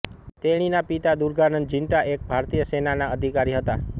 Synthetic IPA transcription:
t̪eɽ̃inapit̪ad̪uɾɡanənd͡ʒɪnʈaʔek̚bʱaɾt̪ijəsenanaəd̪ʱikaɾiɦət̪a

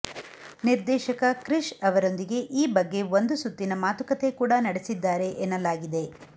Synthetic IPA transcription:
niɾd̪ɛːʃɐkɐkɾiʃɐʋɐɾo̞nd̪iɡe̞ʔiːbɐɡːe̞ʋond̪usut̪ːinɐmaːt̪ukɐt̪e̞kuːɽɐnɐɽesid̪ːaːɾe̞ʔenːɐlaːɡid̪e̞

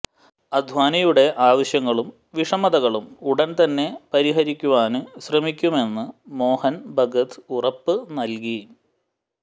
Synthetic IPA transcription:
ɐd̪ʱʋaːnɐjuɽe̞ʔaːʋɐɕjɐŋːɐɭum | ʋiʂɐmɐðɐɣɐɭumuɽɐnt̪ɐnːe̞pɐɾiɦɐɾikʲːuʋaːnɨɕrɐmikʲːume̞nːɨmo̞ːhɐnbʱɐɡɐt̪ɨurɐpːɨnɐlk̬i

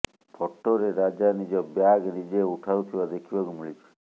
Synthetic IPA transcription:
pʰɔʈːoɾeɾad͡ʒanid͡ʒɔbjaɡnid͡ʒeuʈʰawt̪ʰibad̪ekʰibakumiɭit͡ʃʰi̥

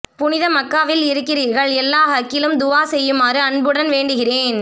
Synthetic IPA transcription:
pʊnɪðɐmɐkːaːʋɪlɪɾɯkːɪɾiːɾɣɐɭɛlːaːɦɐkːɪlɯmd̪ʊʋaːsɛjːɯmaːrɯɐɳbɯɽɐnʋeːɳɖɯɣɪreːn

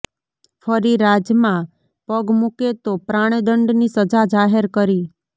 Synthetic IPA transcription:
fʰəɾiɾad͡ʒjəmã | pəɡmuket̪opɾaɽ̃ed̪əɳɖnisəd͡ʒad͡ʒaɦeɾkəɾi

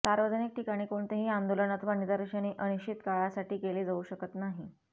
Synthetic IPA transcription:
saɾʋəd͡zənik̚ʈikaɽ̃iːkoɳt̪eɦiːand̪olənət̪ʰʋanid̪aɾəʂaniʔənit͡ɕit̪kaɭasaʈiːkeleːd͡zauːɕəkət̪naɦi

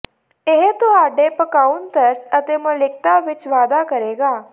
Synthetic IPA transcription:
eɦt̪oaːɖepəkaːʊnt̪əɾsət̪emə̃lɪk̚t̪aʋɪt͡ʃʋaːd̪akəɾeːɡaː

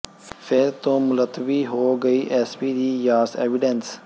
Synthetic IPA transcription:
fʰeːɾt̪oːmʊlət̪ːəʋiːɦoːɡəiːʔɛːspiːd̪iːjaːsḛːʋɪɖɛns

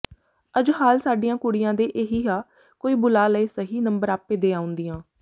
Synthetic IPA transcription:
əd͡ʒhaːlsaːɖijãːkʊɽɪjãːd̪eːʔeɦiːɦaː | koːiːbʊlaːləiːsəɦiːnəmbəɾaːpːeːd̪eːaːʊ̃nd̪iːjãː

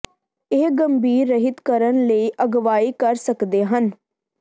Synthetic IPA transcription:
eːɡəmbiːɾːəɦɪt̪kəɾənləiːʔəɡʋaːiːkəɾsəkd̪eːɦən

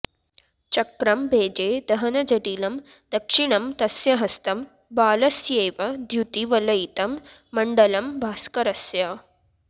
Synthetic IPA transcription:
t͡ʃɐkɾɐmbʱeːd͡ʒeːd̪ɐɦɐnɐd͡ʒɐʈiːlɐm | d̪ɐkʂiɳɐmt̪ɐsjɐɦɐst̪ɐm | baːlɐsjeːʋɐd̪ʱjut̪iʋɐlɐjit̪ɐmː | ɐɳɖɐlɐmbʱaːskɐɾɐsjaː

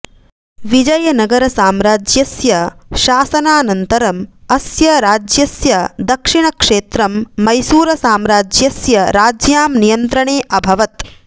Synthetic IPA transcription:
ʋid͡ʒɐjɐnɐɡɐɾɐsaːmɾaːd͡ʒjɐsjɐʃaːsɐnaːnɐnt̪ɐɾɐmɐsjɐɾaːd͡ʒjɐsjɐd̪ɐkʂiɳɐkʂeːt̪ɾɐmːɐjsuːɾɐsaːmɾaːd͡ʒjɐsjɐɾaːd͡ʒjaːmnijɐnt̪ɾɐɳeːʔɐbʱɐʋɐt̪

